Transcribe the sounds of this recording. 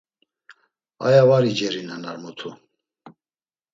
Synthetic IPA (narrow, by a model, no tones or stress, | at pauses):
a̰javaɾid͡ʒɛɾinanaɾmɔt̪ʰu